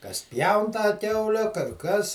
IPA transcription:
kɐs ˈpʲjɛʊn tɑː ˈkʲɛʊlʲɛ kɐr ˈkɐs

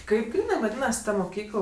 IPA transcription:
ˈkɐɪp ˈɡrʲiːnɜ ʋɐˈdʲiːnɐsʲɪ ˈtɐ mʊˈkʲiːklˠ

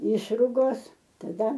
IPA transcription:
ˈɪʃrʊɡoːs tɐˈdɐ

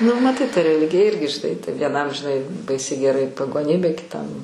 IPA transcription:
nʊ mɐˈtɐɪ tɐ rʲɛˈlʲɪɡʲɪjɛ ˈɪrʲɡʲɪ ʒʲɪˈnɐɪ tɐɪ ʋʲiɛˈnɐm ʒʲɪˈnɐɪ ˈbɐɪsʲɛɪ ɡʲɛˈrɐɪ pɐɡoːˈnʲiːbʲeː kʲɪˈtɐm

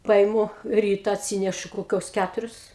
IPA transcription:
ˈpɐɪmʊ ˈrʲiːtɐ ɐtʲˈsʲiːnʲɛʃʊ koːˈkʲoːs ˈkʲætʊrʲʊs

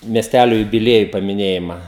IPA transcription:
mʲiɛsʲˈtʲælʲoː jʊbʲɪˈlʲiɛjʊ pɐmʲɪˈnʲeːjɪmɐ

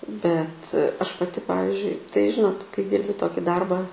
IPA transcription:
bʲɛt ˈɐʃ pɐˈtʲɪ ˈpɑːʋʲɪzʲd͡ʒʲʊɪ tɐɪ ˈʒʲɪnoːt kɐɪ ˈdʲiːrʲbʲɪ ˈtoːkʲɪ ˈdɐrbɑː

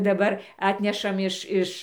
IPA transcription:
dɐˈbɐr ˈɑːtʲnʲɛʃɐm ˈɪʃ ˈɪʃ

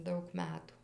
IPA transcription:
ˈdɐʊk ˈmʲæːtuː

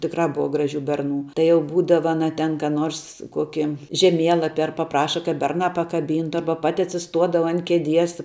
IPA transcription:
tʲɪkˈrɑː ˈbʊʋɐ ˈɡrɑːˌʒʲuː ˈbʲɛrˌnuː tɐɪ jɛʊ ˈbuːdɐʋɐ ɐˈnɐ tʲɛn kɑː ˈnoːrs ˈkoːkʲɪ ʒʲɛˈmʲiɛlˠɐpʲɪ ɐr pɐˈprɑːʃɐ kɐt ˈbʲɛrnɑː pɐkɐˈbʲiːntʊ ˈɐrbɐ ˈpɑːtʲɪ ɐtʲsʲɪˈstuɔdɐʋɐ ɐn kʲɛˈdʲiɛs

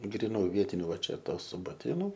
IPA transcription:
ɡrʲɪˈnuː ˈʋʲiɛtʲɪnʲʊ ˈʋɐ ˈt͡ʃʲɛ ˈtoːs sʊbɐˈtʲeːnʊ

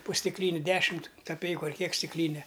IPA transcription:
poː sʲtʲɪkˈlʲiːnʲɪ ˈdʲæːʃʲɪmt kɐˈpʲɛɪkʊ ɐr ˈkʲiɛk sʲtʲɪkˈlʲiːnʲɛ

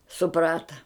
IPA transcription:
sʊˈprɑːtɐ

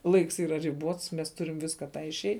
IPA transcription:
ˈlˠɐɪks ˈiːrɐ rʲɪˈbuɔts mʲɛs ˈtʊrʲɪm ˈʋʲɪskɐ ˈtɑː ɪʃʲˈɛɪ

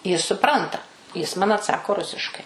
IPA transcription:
ˈjɪs sʊˈprɐntɐ ˈjɪs ˈmɐn ɐtˈsɑːkoː ˈrʊsʲɪʃkɐɪ

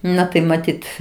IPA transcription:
ˈnɐ tɐɪ mɐˈtʲiːt

